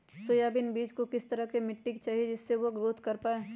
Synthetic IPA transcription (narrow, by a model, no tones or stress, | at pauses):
sojaːbɪnbiːd͡ʒkokɪst̪ɐɾəkemɪʈːɪkt͡ʃaːɦied͡ʒɪsːeʋoɡɾoːt̪ʰkɐɾpaːe